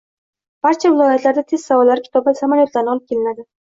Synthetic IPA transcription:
b̥aɾt͡ʃʰavɪlˠɒjat̪ʰlaɾd̪at̪ʰe̞z̥savɒlːaɾɪkʰʲɪ̥t̪ʰɒbasamaljo̞t̪laɾnɪɒlˠɪp̚kʲelɪnad̪ɪ

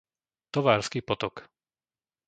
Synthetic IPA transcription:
t̪ɔʋaːɾskiːpɔt̪ɔk

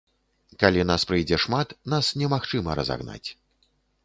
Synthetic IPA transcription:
kalʲinaspɾɨjd͡zʲɛʂmat̪nasnʲɛmaxt͡ʂɨmɐ̰ɾɐ̰za̰ɣna̰t͡sʲ

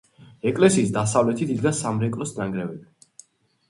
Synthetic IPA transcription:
ɛkʼlɛsiːs̬d̪asavlɛt̪ʰid̪id̪ɡansamɾɛkʼlɔsnaŋɡɾɛvɛb

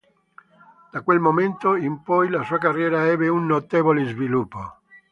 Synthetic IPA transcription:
d̪̥akwelmoment̪oimpɔjlasuːakarːjɛːɾaɛːbeunːot̪eːvolezvilupːo

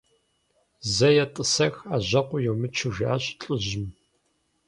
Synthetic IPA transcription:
zɐjɛtʼɨsɐxaːʑɐqʷʊjɛwmɨt͡ʃʰɪʒaɕʼt͡ɬʼɨʑɪm

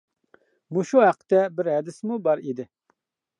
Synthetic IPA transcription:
muʃuɦæqʰːə̥t̪ʰɛbɪɾɦɛd̪ɪsmubɑɾid̪ɪ

